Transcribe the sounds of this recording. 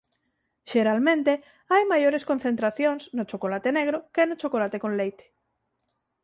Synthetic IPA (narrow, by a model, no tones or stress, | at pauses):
ʃeɾalmẽnt̪e | ajmajoɾeskon̟θent̪ɾaθjoŋsnot͡ʃokolat̪eneɣ̞ɾokenot͡ʃokolat̪ekonlejt̪e̥